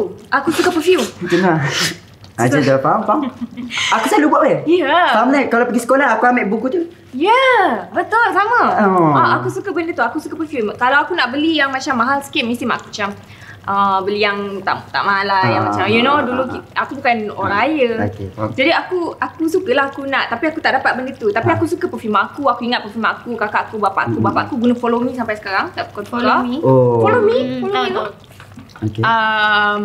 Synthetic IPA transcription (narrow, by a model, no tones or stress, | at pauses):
ʔakusukəpəfumd͡ʒəna | aadəfaampamakusalubaʔəjafaamlakalapəɡisə̥kolahakuamaʔbukut̪u | jabət̪ʊlsamə̃aakusukəbəndət̪uakusukəpəfjumkalawakunaʔbəlijaŋmat͡ʃamːaɦalsə̥kit̪̚mĩst̪imaʔkumat͡ʃam | ʔəbəlijaŋt̪a̰ʔt̪a̰ʔmãɦalajaŋmat͡ʃamjunoduluiakubukanoɾaajəoked͡ʒadiakuakusukəlahakunaʔt̪apiakut̪aʔdapat̪̚bəndət̪ut̪apiakusukəpəfjumãakuakuiŋat̪̚pəfumãakukakaʔakubapa̰ʔakubapa̰ʔakuɡunəfolomĩsampajsə̥kaɾaŋt̪aʔpu̥kɔnfɔaifolomĩfolomit̪o | okeəm